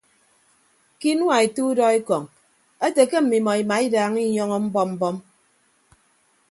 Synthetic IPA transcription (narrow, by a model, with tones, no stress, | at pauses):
ki˦n˦wa˨e˨tu˦dɔ˦i˦kɔ˨ŋ | e˦te˨ke˦m̩˨mi˨mɔ˨i˨ma˨i˦daː˨ŋi˦ɲɔ˦ŋɔ˦m̩˦bɔ˦m̩˦bɔ˦m